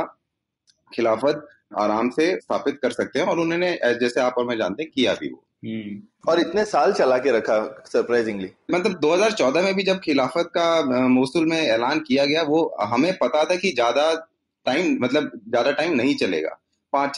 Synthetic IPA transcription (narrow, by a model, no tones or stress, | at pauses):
xɪlaːfət̪̚ | a̰ːɾaːmsesaːfɪt̪̚kɐɾsɐk̚t̪eɦɛ̃ɔːɾʊnɦõned͡ʒɛːseaːpɔɾmẽd͡ʒã̰ːnt̪eɦɛ̃kija̰bʱḭʋo̰ː | ɔːɾɪt̪nesaːlt͡ʃɐlaːkeɾɐkʰasɐɾpɾaːɪzɪ̃ŋɡliːmɐt̪ləb̚d̪oːɦɐzaːɾt͡ʃɔːd̪ʱamẽbʱid͡ʒɐb̚xɪlaːfət̪̚kamoːsulmẽɛːlaːnkijaɡɐjaʋoɦɐmẽpɐt̪at̪ʰakid͡ʒjaːd̪a | ʈaːɪmmɐt̪ləbzjaːd̪aʈaːɪmnɐɦĩt͡ʃɐlḛːɡa̰ː | pãːt͡ʃ